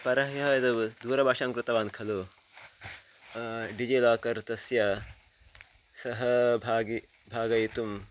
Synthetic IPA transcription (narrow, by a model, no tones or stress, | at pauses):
pɐɾɐɦjɐɦɐd̪ɐʋd̪uːɾɐbʱaːʃaŋkɾɨt̪ɐʋaːnkʰɐloː | ɖid͡ʒeːlaːkɐɾt̪ɐsjɐ | sɐɦɐbʱaːɡi | bʱaːɡɐjit̪um